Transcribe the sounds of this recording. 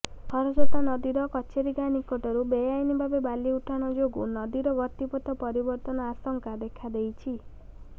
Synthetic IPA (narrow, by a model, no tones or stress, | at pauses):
hʰɔɾɔsɔt̪anɔd̪iɾɔkɔt͡ʃʰeɾiɡanikɔʈɔɾubejajnibʱabebaliuʈʰaɽ̃ɔd͡ʒoɡṵnɔd̪iɾɔɡɔt̪ipɔt̪ɔpɔɾibɔɾt̪ɔnɔasɔŋkad̪ekʰad̪ejt͡ʃʰi